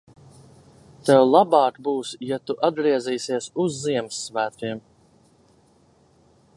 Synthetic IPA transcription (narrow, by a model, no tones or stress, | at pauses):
t̪ɛwlˠabɑːkbuːsjat̪uʔad̪̚ɡɾiɛziːsiɛsuzːiɛmsːvæːt̪ʲiɛm